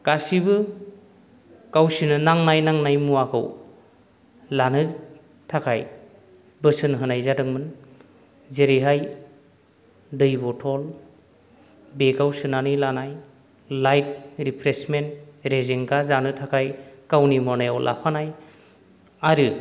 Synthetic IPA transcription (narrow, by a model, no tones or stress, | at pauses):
ɡ̥asibɯ | kawsinɯnaŋnajnaŋnajmuakʰɯ̰w | lanɯ | tʰakʰaj | bɯsɯnɦɯnajzadɯŋmɯn | zeɾiɦaj | dɯjbɔtʰɔl | bekawsɯnanilanaj | lajt̚ɾipʰɾesmenɾezeŋɡazanɯtʰakʰajkawnimɔnajawlʔa̰pʰanaj | aɾɯ